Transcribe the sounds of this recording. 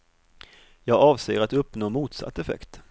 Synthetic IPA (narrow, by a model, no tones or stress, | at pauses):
jɑːɡɑːvseːəɾat̪ɵpːnoːmuːt̪sa̰t̪ːɛfɛ̰kt̪